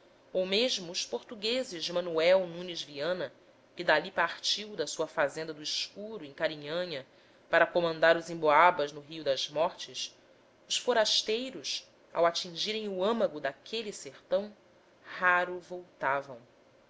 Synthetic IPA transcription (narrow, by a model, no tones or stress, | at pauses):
owmeʒmʊːʃpoɾt̪uɡezɪzd͡ʒɪmɐ̃nuɛwnũnizviɐ̃nɐ | kɪd̪alipaχt͡ʃiwd̪ɐsuɐfazẽnd̪ɐd̪ʊiskuɾʊẽkaɾĩɲɐ̃ɲɐ | paɾɐkomɐ̃nd̪aɾʊzĩboabɐznʊɦiʊd̪ɐzmɔɾt͡ʃɪs | ʊsfoɾaʃt̪ejɾʊs | a̰wat͡ʃĩŋʒiɾẽj̃uɐ̃mɐɡʊd̪akʰeliseχt̪ɐ̃w̃ | haɾʊvowt̪avɐ̰̃w̃